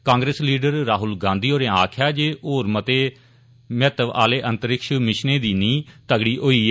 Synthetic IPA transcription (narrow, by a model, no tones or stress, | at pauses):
kãːŋɡɾeːsliːɖəɾːaːɦʊlɡãːnd̪iːoːɾẽːaːkʰjaːd͡ʒeːʔoːɾmət̪eː | mɛːt̪əʋa̰ːleːʔə̃nt̪əɾɪkʃmɪʃneːd̪iːnĩːt̪əɡɽiːʔoːiː